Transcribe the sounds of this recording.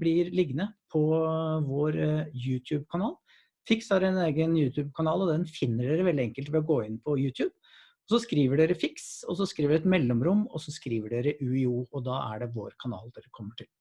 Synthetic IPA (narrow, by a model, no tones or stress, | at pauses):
blɪɾlɪɡnəpʰɔʋoːɾjʉːt̪ʰjʉːbkʰɑnɑːl | fɪksɑɾɛneːɡənjʉːt̪ʰjʉːb̚kʰɑnɑːlɔd̪ɛnfɪnːəɖeːɾəʋɛld̪ɪɛŋkəlt̪ʋɛɔɡoːɪnpʰɔjʉːt̪ʰjʉːb | ɔsɔskɾiːʋəɖeːɾəfɪksɔs̬ɔskɾiːʋəɖɛt̪mɛlːɔmɾʊmːɔ̰sɔskɾiːʋəɖeːɾəʔʉɪuːɔd̪ɑːʔæ̰ɖɛʋo̰ːɾkʰɑnɑ̰ːld̪ɛɾəkʰɔmːəʈʰɪl